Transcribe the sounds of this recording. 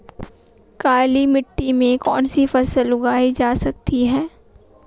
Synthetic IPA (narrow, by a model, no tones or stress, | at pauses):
kaːlimɪʈːimẽkɔːnsifɐsəlʊɡaːid͡ʒaːsɐk̚t̪iɦɛː